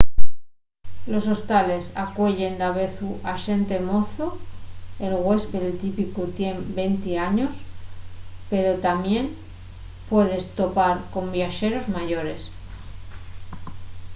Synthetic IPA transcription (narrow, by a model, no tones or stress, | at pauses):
lo̞so̞st̪ale̞sakwe̞ʎe̞nd̪aβe̞θuʔaʃe̞nt̪e̞mo̞θo | e̞lɣwe̞speðelt̪ipikut̪je̞mbe̞nt̪iaɲos | pe̞ɾo̞t̪amje̞m | pwe̞ð̞e̞st̪o̞paɾko̞mbjaʃe̞ɾo̞zmaʝo̞ɾe̞s